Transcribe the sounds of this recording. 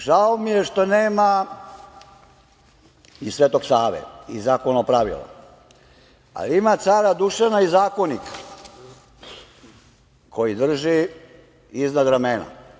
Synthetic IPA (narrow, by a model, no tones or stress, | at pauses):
ʒaomijeʃt̪oneːma | isʋeːt̪o̞ɡsaːʋḛizaːkonopɾaʋḭla̰ | a̰liimat̪saːɾad̪uʃanaizaːko̞nik | kʰo̞jid̪r̩ʒi | iznad̪ɾamena̰